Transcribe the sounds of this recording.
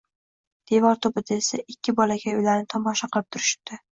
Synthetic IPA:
d̪̥e̞vɒɾt̪ʰʊbɪd̪aesaʔɪkʲʰːɪbɒlaɡʲaʊjlaɾnɪt̪ʰɒmɒʃaqʰɨlɪp̚t̪ʰʊɾɪʃɪ̥p̚t̪ɪ

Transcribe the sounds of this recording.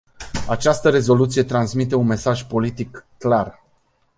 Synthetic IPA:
at͡ʃast̪əɾe̞zo̞lut̪sije̞t̪ɾansmit̪̬e̞unme̞saʒpo̞lit̪ikːlar

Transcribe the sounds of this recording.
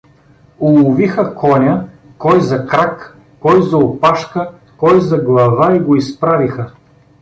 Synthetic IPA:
ulˠʊvixɐkɔnʲɐ | kɔjzɐkɾakː | ɔjzɐopaʃkə | kɔjzɐɡlˠɐvaiɡoispɾavixɐ

